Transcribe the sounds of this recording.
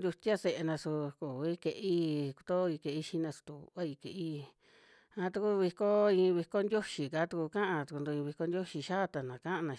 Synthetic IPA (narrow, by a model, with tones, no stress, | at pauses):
d̪ʲu˧t̪ʲja˦se˧ʔe˧nã˧su˧ku˨i˦ke˧ʔi˦ku̥˧t̪o˦˧i˧ke˧i˦ʃi˧˦nã˧su̥˧t̪u˧a˦i˧ke˨ʔi˦ | ã˧t̪u˧ku˦˧βi˧ko˦ĩ˧βi˧ko˦nd̪ʲo˦ʃi˨ka˨˦t̪u˧ku˧kã˦ʔã˧t̪u˧ku˧d̪u˧ĩ˧βi˧ko˧nd̪ʲjo˦ʃi˧ʃa˦˧t̪a˨nã˨kã˦ʔã˧nã˧